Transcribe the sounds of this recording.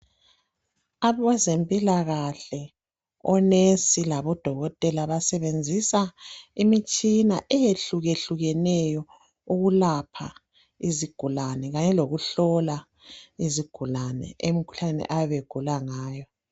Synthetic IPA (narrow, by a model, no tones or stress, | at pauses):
aβwɛzempʼilaɣaɬɛ | ɔnesilaβɔd̥ʱɔɣɔtʼɛlaβasɛβend͡zʱisaimit͡ʃʼinaʔɛjeɬuɣeɬuɣɛnɛjɔ | uɣulapʰa | iziɡ̥ʱulanɛɣaɲɛloɣuɬɔla | iziɡ̥ʱulanɛ̰emikʰu̥ɬanɛ̰ʔaβeɡ̥ʱulaŋaːjɔ